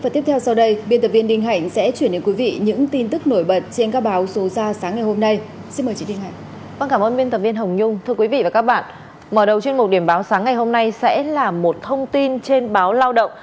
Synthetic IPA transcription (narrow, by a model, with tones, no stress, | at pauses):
faː˧˩t̪ət̪ʰwsa˧wɗə˧jɓi˧nt̪ə˨˩vi˧ənɗï˧ŋ̟ɦa̰˧˨jŋ̟sɛ̰˧˥t͡ɕwi˧˩ənɗe˨˦nkwi˨˦vḭ˧˨ɲɨ̰˧˥ŋt̪i˧nt̪ɨ˦˥k̚no˧˩jɓə˨˩t̚t͡ɕe˧nkaː˦˥k̚ɓaː˨˦wso˨˦zaː˧saː˨˦ŋːa˨˩jho˧mna˧j | si˧nməː˨˩t͡ɕi˨˧˦i˧ŋ̟ɦa̰˧˨ŋ | vaː˧nkaː˧˩mʔəː˧nɓi˧nt̪ə˨˩p̚vi˧ənɦə˨˩wŋ͡mɲʊ˧ŋ͡mt̪ʰɨ˧əkwi˨˦vḭ˧˨vaː˨˩kaː˦˥k̚ɓa̰ː˧˨n | məː˧˩ɗə˨˩wt͡ɕwnmʊ˨˩t̚ɗi˧˩əmɓaː˨˦wsaː˨˦ŋːa˨˩jɦo˧mna˧jsɛ̰˧˥laː˨˩mo˨˩t̚t̪ʰə˧wŋ͡mt̪i˧nt͡ɕe˧nɓaː˨˦wlaː˧wɗə̰˧˨wŋ͡m